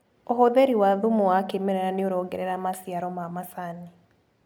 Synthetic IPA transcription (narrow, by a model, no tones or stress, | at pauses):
oɦoðeɾiwaðumuwakemeɾɛɾaneoɾɔɡeɾɛɾamasiaɾɔmamasani